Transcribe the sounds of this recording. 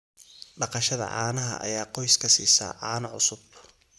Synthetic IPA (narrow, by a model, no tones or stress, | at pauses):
ɖɑqɑʃɐðɐ̰ʕɑ̰ːnɐɦɐ̰ʔɐ̰jaːqɔjskʰɐsḭːsɐ̰ʕɑːnɐʕʊsʊb̚t̪ʰ